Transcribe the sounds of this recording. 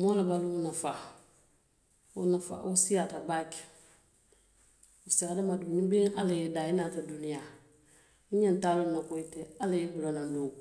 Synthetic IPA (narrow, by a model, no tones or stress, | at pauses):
mɔlabalunafa | ʊnafa̰ʔosijatabak | usiadamadunibiŋalɪjɛdainatadunija | iɲɛntaːlonakoitɛalɪjɛbulonado